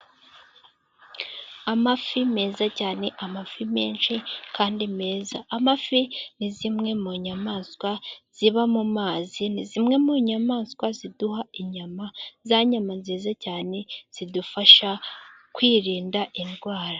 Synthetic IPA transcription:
amafime̞ːzacaːne̞ʔamafime̞̰ːnʃikʰaːndime̞ːzaːmafinizimŋe̞muɲamaːnskwaz̥iβamumaːzinizimŋe̞muɲamaːnskwaziduhaiɲamazaɲamanziːzacaːne̞z̥idufaʃa | kwiːɾiːndaʔinɡwaːɾa

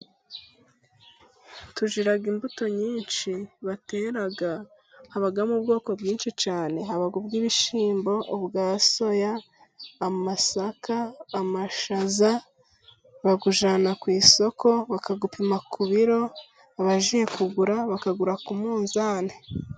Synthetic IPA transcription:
tuʒiɾaɡimbuto̞ɲiːnʃiβateɾaɡa | haβaɡamubɡo̞ːko̞bjiːnʃit͡ʃaːne̞haβaɡubɡiβiʃiːmbo̞ʔobɡaːso̞jaː | masakaːmaʃaza | βaɡuʒaːnakwiːso̞ko̞βakaɡupimakʰuβiɾo̞ | aβaʒije̞kuɡuɾaβakaɡuɾakumuːnzaːne

